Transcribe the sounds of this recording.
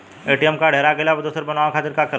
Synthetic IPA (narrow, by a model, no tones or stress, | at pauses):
eːʈijəmkaɖʱeːɾaɡeleɔbd̪uːsəɾbənaːʋakʰaːt̪ɪɾkakəɾ